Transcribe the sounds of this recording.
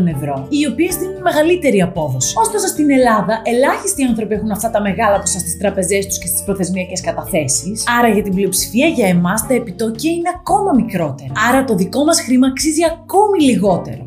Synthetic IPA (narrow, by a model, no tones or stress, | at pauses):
one̞vɾo̞io̞pie̞zðinunnme̞ɣɐlit̪e̞ɾiɐpo̞ðo̞si̥o̞st̪o̞sɐst̪ine̞lɐðɐʔe̞lɐçist̪iɐnθɾo̞pie̞xunɐft̪ɐt̪ɐme̞ɣɐlɐposɐst̪ist̪ɾɐpe̞ze̞st̪u̥sce̞st̪i̥spɾoθe̞zmiɐce̞skɐt̪ɐθe̞sisɐɾɐʝɐt̪iblio̞psi̥fiɐʝɐemɐst̪ɐepit̪o̞ciɐineɐko̞mɐmikɾo̞t̪e̞ɾɐɐɾɐt̪o̞ðiko̞mɐsxɾimɐːksiziɐko̞miliɣo̞t̪e̞̰ɾo̞